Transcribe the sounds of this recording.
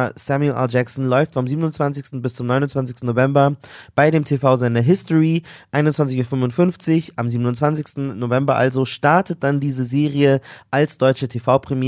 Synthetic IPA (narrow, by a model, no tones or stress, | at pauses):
sɛmjulʔɛ̰ld͡ʒɛksn̩lɔʏftfɔmziːbənʊntt͡sv̥ant͡sɪçstn̩bɪst͡sʊmnɔʏnʊntt͡sv̥ant͡sɪçstn̩novɛmbɐb̥aɪɾeːmtʰefaʊzɛndɐɦɪstɔʁiʔaɪnʊntt͡svant͡sɪçuːɐfʏnvʊntfʏnft͡sɪçʔamziːbənʊntt͡sv̥ant͡sɪçstn̩novɛmbɐʔa̰lzoʃtaɐtʰət̚d̥andiːzəzeːʁiəʔalsd̥ɔʏt͡ʃətʰefaʊpʁ̥ɛmjiː